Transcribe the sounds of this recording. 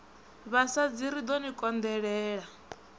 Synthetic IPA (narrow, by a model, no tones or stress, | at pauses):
βasad͡ziɾid̪ɔnikʼɔnd̪ɛɺɛːɺa